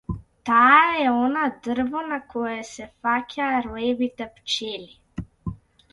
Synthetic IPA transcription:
t̪aːɛɔnad̪əɾvanakʰɔjɛsɛfakʲʰaɾuevit̪ɛpt͡ʃeli

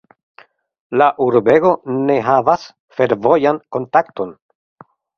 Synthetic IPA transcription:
laʔuɾbe̞ɡo̞ne̞ɦavas | fe̞ɾvo̞janko̞ntakto̞n

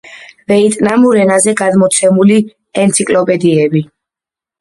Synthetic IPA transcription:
vɛit̪ʼnamuɾɛnazɛɡad̪mɔt̪sʰɛmuli | ɛnt̪sʰikʼlɔpʼɛd̪iɛbi

